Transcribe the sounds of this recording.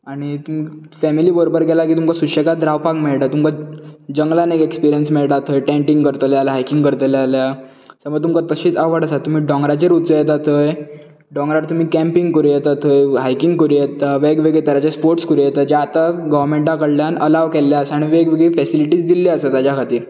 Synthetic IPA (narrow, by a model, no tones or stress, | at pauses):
aɽ̃it̪umi | fɛmiliːbəɾobəɾɡɛlakiːt̪umkasuɕekad̪ɾawpakmeɭʈat̪umkad͡ʑəŋɡlanekekspiɾijənsmeɭʈat̪ʰəjʈẽɳʈĩŋɡkəɾt̪əljaljaɦajkĩŋɡkəɾt̪əlalja | səməɡt̪umkat̪əɕiːt͡saʋəɽasat̪um̤iːɖɔ̃ŋɡɾat͡ɕeɾut̪t͡səjɛt̪̬at̪ʰəj | ɖɔ̃ŋɡɾaɾt̪um̤iːkɛ̃mpiŋɡkəɾujɛt̪at̪ʰəjɦajkiŋɡkəɾujɛt̪aʋeɡʋeɡɭet̪əɾjat͡ɕaspoɾʈskəɾujɛt̪ad͡ʑeat̪aɡɔʋɾmeɳʈãkəɽljanəlaʋkeljaəsaaɽ̃iʋeɡʋeɡɭifɛsiliʈiːd͡zd̪ilːeəsət̪ad͡ʑjakʰat̪iːɾ